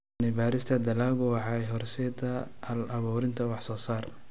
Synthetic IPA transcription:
nɪbaːɾɪst̪ʰɐd̪ɐlaːɣʊwɑħɑɛjɦɔrsɛd̪ɐ | ɐlɐβuːɾɪnt̪ʰɐwɑħsɔːsaːr

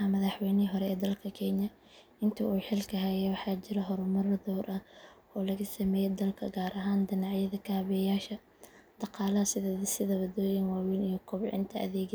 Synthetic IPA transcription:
ɐmɐðɑħwɛjnɪɦɔɾɛɛːd̪ɐlkʰɐkʰɛɲjɐ | ɪnt̪ʰɐʔuːħɪlkʰɐɦɐjɛwɑħɑːt͡ʃɪɾɐɦɔɾʊmɐrðɔːɾʔɐʔɔːlɐɣɐsɐmɛːjɛd̪ɐlkʰɐ̰ɡaːɾʔɐɦaːnd̪ɪnɑʕjɐðɐkʰaːβɛjaːʃɐ | d̪̥ɑqɑːlɐɐsɪðsɪðɐβɐd̪ɔːjɐnwɑːwiːnijɔkʰɔbʕɪ̰nt̪ʰɐʔɐ̰ðɛːɡ

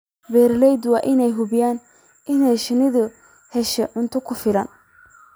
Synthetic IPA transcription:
bɛːɾlɛjd̪wɑːʔɪnɛjɦʊbɪjaːn | ʔɪnɛjʃɪnɪðʊ | hɛʃɛʕʊnt̪ʰʊkʰʊfɪlɐn

